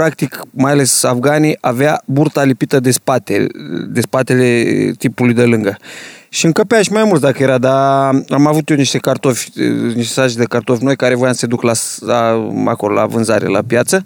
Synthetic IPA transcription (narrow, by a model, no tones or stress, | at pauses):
pɾakt̪ikmajale̞safɡanijʔaveaburt̪alipit̪əd̪e̞spat̪ḛd̪e̞spat̪e̞le̞t̪ipulujd̪elɨŋɡəʃiɨŋkəpeaʃmajmult̪d̪akəjeɾad̪aamavut̪joniʃt̪e̞kart̪o̞fʲniʃt̪esaʒed̪ekart̪o̞fʲno̞jkaɾe̞vojamsəse̞d̪uklalaa̰kolola̰vɨnzaɾḛla̰pjat̪sə